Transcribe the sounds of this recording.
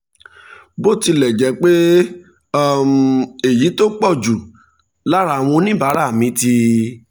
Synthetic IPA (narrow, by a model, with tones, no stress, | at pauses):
bo˦ti˧lɛ˨d͡ʒɛ˨˦k͡pe˦˨ | m̩˨e˨ji˨˦to˦k͡pɔ˦˨d͡ʒu˨ | la˦ɾa˦˨w̃ɔ̃˧nĩ˦ba˨˦ɾa˦˨mĩ˨˦ti˧